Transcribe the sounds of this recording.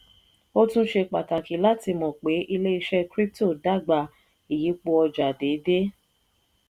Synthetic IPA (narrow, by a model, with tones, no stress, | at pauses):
o˦tũ˦ʃe˧k͡pa˨ta˨ki˨˦la˦ti˧mɔ̃˨k͡pe˨˦ʔi˧le˦i˧ʃɛ˧kɾi˦p̚to˦˨da˦ɡ͡ba˧˨ | i˨ji˨˦k͡po˧ɔ˧d͡ʒa˨de˨˦de˦